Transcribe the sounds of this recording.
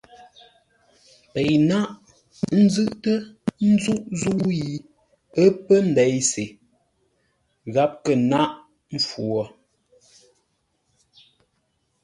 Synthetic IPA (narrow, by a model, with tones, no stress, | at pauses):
pe˨jna˦ʔ | n̩˦zʉ˦ʔtə˦n̩˦zu˦ʔzu˦ji˨ | ə˦pə˦n̩˨dɛ˨˦jse˨ | ɣa˦p̚kə˨na˦ʔ | m̩˨fwɔ˨